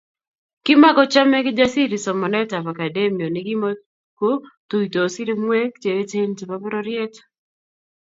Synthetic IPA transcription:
kɪ˦ma˦kɔ˦t͡ʃa˦mɛ˦kɪ˦d͡ʒa˦si˦ɾi˨sɔ˨mɔ˨nɛ˦ta˨pa˨ka˨de˦mi˨o˨nɪ˨ɡɪ˦mɔ | ko˦tu˨i˨to˨sɪ˦ɾɪ˦m˦we˦k̚t͡ʃe˨e˦t͡ʃe˦nti˨pa˦pɔ˦ɾɔ˦ɾjɛ˦t

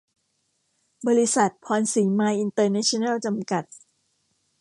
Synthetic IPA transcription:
bɔː˧ɾi˦˥sa˨˩t̪̚pʰɔː˧nsiː˩˦maː˧˥jʔi˧nt̪ɤː˧na˦˥t͡ɕʰi˧na˥˩wt͡ɕa˧mka˨˩t̪̚

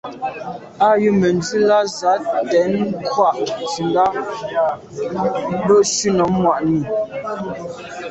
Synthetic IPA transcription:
a˦˨jʉ˦˨mə˨n˦d͡zʉ˦la˦za˨˦tɛ˨˦n˦kʰwa˦˨ʔt͡sʉ˨nla˦ | bə˦˨ʃʉ˦nɔ˨˦mwa˨ʔni˨

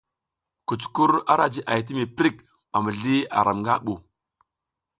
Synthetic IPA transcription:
ku˨t͡ʃku˦ɾa˦ɾa˨d͡ʒi˦ʔa˨jt̬i˦mi˨pɾi˦˨k | ɓa˨mə˨ɮi˦a̰˨ɾʔa˨mŋɡa˦ɓu˨

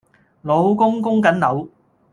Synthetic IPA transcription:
lo˨˧wkʊ˥ŋkʊ˥ŋkɐ˨˥nlɐ˨˧˥w

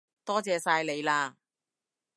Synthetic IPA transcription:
t̪ɔː˥t͡sɛː˨˧saː˧jle˨˧jlaː˧

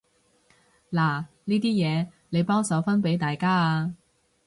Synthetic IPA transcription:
laː˨˩ | niː˥t̪iː˥jɛː˨˧ | ne˨˧jpɔː˥ŋsɐ˨˧˥wfɐ˥npe˨˥jt̪aː˨jkaː˥aː˧

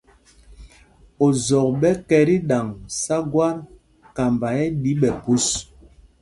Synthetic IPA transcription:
o˨zɔ˨k̚ɓɛ˦kɛ˦ɾi˦ɗa˨ŋsa˦ɡwa˦ɾ | ka˨mba˨jɛ˦ɗi˨˦ɓɛ˨pu˦s

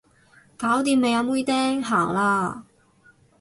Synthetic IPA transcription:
kaː˨˥wt̪iː˧mːe˨˧ja˨˧muː˥jt̪ɛː˥ŋɦaː˨˩ŋlaː˧

